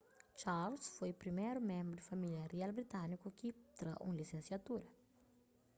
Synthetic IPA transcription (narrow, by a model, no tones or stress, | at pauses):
t͡ʃaɾlsfojpɾimejɾumẽmbɾʊd̪ufamiljɐɾialbɾit̪ãnikukit̪ɾa̰ʔṵ̃lisẽsiat̪uɾɐ